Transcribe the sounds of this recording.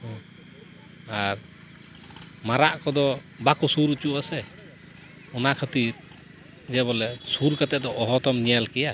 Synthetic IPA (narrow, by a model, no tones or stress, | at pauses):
ɔ | aɾ | maɾaʔkɔd̪ɔ | bakusuɾut͡ʃuʔasɛ | ɔnaʔkʰət̪iɾ | d͡ʒɛbɔlɛsuɾkat̪ɛʔd̪ɔʔːɦɔt̪ɔmɲɛjalkɛja